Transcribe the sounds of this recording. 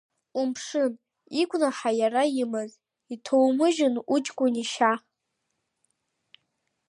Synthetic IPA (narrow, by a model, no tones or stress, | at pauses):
umpʂɨn | ikʷʼnaħajaɾajɪmɨz | itʰowmɨʒɪnut͡ʃkʷʼʊniʃa